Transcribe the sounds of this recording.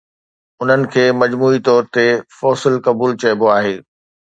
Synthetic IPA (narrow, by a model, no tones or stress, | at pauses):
ʊn̤ənɪ̆kʰeːmɐd͡ʑmuːit̪ɔːɾt̪efɔːsɪlkɐbuːlt͡ɕɐjboaːɦeː